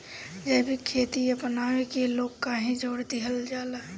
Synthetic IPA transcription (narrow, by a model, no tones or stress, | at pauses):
d͡ʒɛːbʱikʰeːt̪iɐpnaːʋekeloːɡkːaːɦẽd͡ʒoːɽd̪iɦəld͡ʒaːlaː